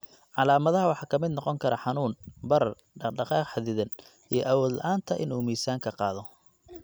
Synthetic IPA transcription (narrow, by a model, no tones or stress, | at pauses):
ʕɑlaːmɐðɐɦɐwɑħɑːkʰɐmɪd̪nɔqɔŋkʰɐɾɐħɑnuːnbɐɾɐr | ɖɑqɑːqħɑðɪðɐn | ijɞʔɐwɔːd̪lʔaːnt̪ʰɐʔɪ̰nuːmiːsaːŋkʰɐqɑːðɔ